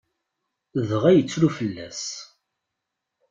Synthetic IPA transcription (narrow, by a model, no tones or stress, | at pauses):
ðəʁæjət͡sːlufəlːæs